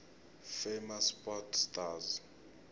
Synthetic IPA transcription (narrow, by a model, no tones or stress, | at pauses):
femaspʼɔtʰstʼaz